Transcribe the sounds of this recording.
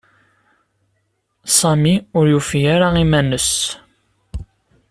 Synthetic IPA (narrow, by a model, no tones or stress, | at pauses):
sˤɑmiʊɾjufjaɾaimænəs